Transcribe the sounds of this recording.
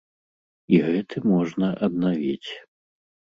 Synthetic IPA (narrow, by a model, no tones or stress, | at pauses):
iɣɛt̪ʰɨmɔʐnɐʔɐd̪navʲḭt͡sʲ